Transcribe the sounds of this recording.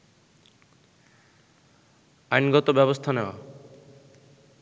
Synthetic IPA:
ajnɡɔt̪obɛbost̪ʰaneoa̰

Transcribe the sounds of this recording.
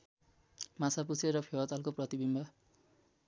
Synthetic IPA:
mat͡sʰaput͡sʰeɾʌpʰewat̪alkoprʌt̪ibimbʱa

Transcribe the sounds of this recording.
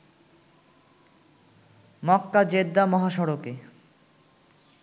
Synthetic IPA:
mɔkːad͡ʑed̪ːamɔɦaʃɔɾoke

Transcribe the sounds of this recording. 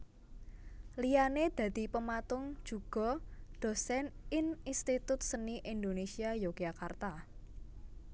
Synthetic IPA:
lijaned̪̥ä̤d̪̥i̤pəmat̪ʊŋ̥ʒ̥ṳɡ̥ɔ̤d̪̥o̤sɛnɪninst̪it̪ʊt̪̚səniʔind̪onesiajoɡ̥iakart̪a

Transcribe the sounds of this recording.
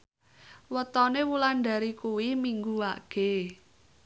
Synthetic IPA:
wət̪ɔnewulanɖa̤ɾikuwimiŋɡuwa̰ɡ̥e̤

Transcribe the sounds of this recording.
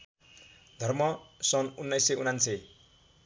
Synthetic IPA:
d̪ʱʌrmʌsʌnunːʌjseunanse

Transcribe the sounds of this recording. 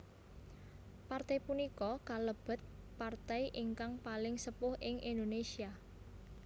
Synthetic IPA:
part̪ɛjpunikɔkaləb̥ə̤t̪̚part̪ɛjʔɪŋkaŋpalɪŋsəpʊhɪŋʔind̪onesia

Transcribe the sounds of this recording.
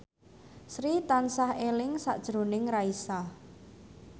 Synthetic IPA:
sɾit̪ansahelɪŋsa̰ʔd̥ʒ̥ɾo̤nɪŋraisa

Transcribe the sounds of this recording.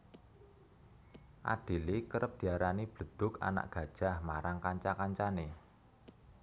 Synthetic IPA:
ʔa̰ɖ̥i̤likəɾəp̚d̪̥i̤aɾanib̥ə̤d̪̥ʊ̤ka̰na̰ʔɡ̥ä̤d̥ʒ̥a̤hmaɾaŋkaɲt͡ʃakaɲt͡ʃane

